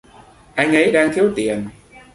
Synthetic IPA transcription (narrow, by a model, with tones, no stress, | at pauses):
ʔa˧jŋ̟ʔə˨˦jɗaː˧ŋt̪ʰi˨˦əwt̪i˨˩ən